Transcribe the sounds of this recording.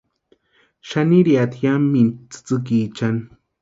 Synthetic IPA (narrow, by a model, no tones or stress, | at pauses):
ʃaniɾiat̪ʰjamːint͡sɨ̥t͡sɨk̬it͡ʃan